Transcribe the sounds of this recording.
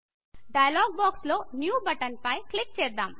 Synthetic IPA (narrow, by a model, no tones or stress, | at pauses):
ɖɐjɐlaːɡ̚baːksloːnjuːbɐʈɐnpɐjklik̚t͡ʃɛːd̪aːm